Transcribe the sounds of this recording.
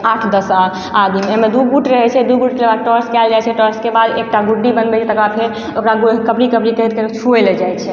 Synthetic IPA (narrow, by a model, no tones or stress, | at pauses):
aʈʰd̪əsal | ad̪imemed̪uɡuʈɾəɦɛt͡ʃʰɛd̪uɡuʈkebad̪̚ʈəɾskɛld͡ʒajt͡ʃʰɛʈəɾskebad̪ek̚ʈaɡuɖːibənbɛt͡ʃʰɛt̪əkɾapʰeɾ | okɾaɡokəpɾikəpɾikəɦit̪keɾt͡ʃʰueled͡ʒajt͡ʃʰɛ